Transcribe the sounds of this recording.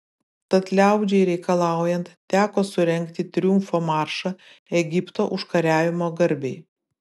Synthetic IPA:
t̪ɐt̪lʲæˑʊd͡ʒʲɛɪɾʲɛɪkɐlˠɑˑʊjɛnt̪t̪ʲæːkoːsʊɾʲɛŋʲkt̪ʲɪt̪ʲɾʲʊmfomɑːɾʃɐ | ɛɡʲɪpt̪oːʔʊʃkɐɾʲæːʋʲɪmoːɡɐɾʲbʲɛɪ

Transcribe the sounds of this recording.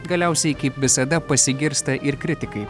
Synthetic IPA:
ɡɐlʲæɛˑʊsʲɛɪkɐɪpʋʲɪsɐd̪ɐpɐsʲɪɡʲɪɾst̪ɐʔɪɾkɾʲɪt̪ʲɪkɐɪ

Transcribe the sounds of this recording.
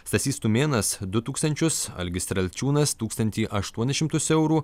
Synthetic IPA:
st̪ɐsʲiːst̪umʲeːnɐsd̪ʊt̪uːkst̪ɐnʲt͡ʃʲʊsɐ̰lʲɡʲɪst̪ʲɾɐlʲt͡ʃʲuːnɐst̪uːkst̪ɐnʲt̪ʲiːʔɐʃt̪uɔnʲʃʲɪmt̪ʊsɛʊɾuː

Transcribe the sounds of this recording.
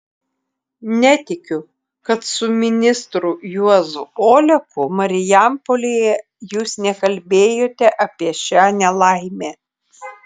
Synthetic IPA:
nʲɛt̪ʲɪkʲʊ | kɐt̪sʊmʲɪnʲɪst̪ɾʊjuɔzʊoːlʲɛpʊmɐɾʲɪjæmpolʲeːjɛ | juːsnʲɛkɐlʲbʲeːjoːt̪ʲɛʔɐpʲiɛʃʲaːnʲɛlˠɐɪmʲeː

